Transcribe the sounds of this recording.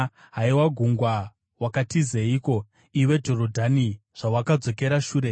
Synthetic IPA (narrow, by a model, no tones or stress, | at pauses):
ɦaiwaɡʱuŋɡwa | wakatizeiko̞ | iwe̞d͡ʒo̞rodʱaniʐ̥awakad͡zo̞ke̞ɾaʃuːɾe̞